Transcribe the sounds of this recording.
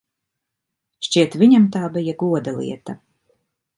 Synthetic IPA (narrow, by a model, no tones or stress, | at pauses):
ʃt͡ʃʲiɛt̪viɲamt̪aːbijaɡuɔd̪alˠḭɛt̪ɐ